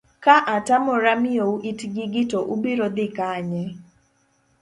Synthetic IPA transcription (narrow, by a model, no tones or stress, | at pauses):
kaʔatamɔɾamɪouʔitɡiɡɪtoʔubiɾod̪ɪkaɲɛ